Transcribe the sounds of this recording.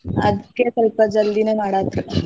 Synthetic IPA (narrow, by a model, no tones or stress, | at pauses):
a̰d̪ʱkek̪əlpəd͡zəld̪inemaɽat̪